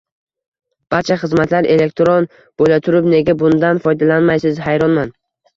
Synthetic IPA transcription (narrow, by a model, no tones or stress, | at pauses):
b̥aɾt͡ʃʰaχɨzmat̪ʰlaɾe̞le̞k̚ʲt̪ɾon | b̥olat̪ʰʊɾɪpne̞ɡʲabʊnd̪anfɒjd̪alanmajsɪzɦajɾɒnman